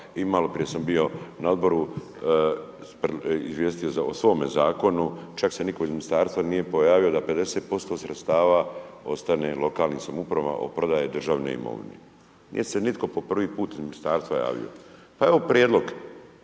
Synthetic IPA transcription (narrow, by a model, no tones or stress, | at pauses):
imalo̞pɾije̞sambijo̞nao̞d̪bo̞ɾu | peḭzʋje̞ːst̪ijozaosʋo̞ːmezaːko̞nut͡ʃakse̞niko̞izminist̪aːɾst̪ʋanije̞po̞jaːʋio̞d̪ape̞d̪e̞seːt̪̚po̞st̪o̞sɾʔet̪st̪aːʋao̞̰st̪ane̞lo̞kaːlnisamupɾaʋa̰ʔo̰pɾod̪ajed̪r̩ʒaːʋnḛḭmo̰ʋnḛ | nḭje̞se̞nit̪ko̞po̞pr̩ʋiːpuːt̪izminist̪aːɾst̪ʋaja̰ːʋḭo̰ | pae̞ʋopɾijed̪lˠo̞ɡ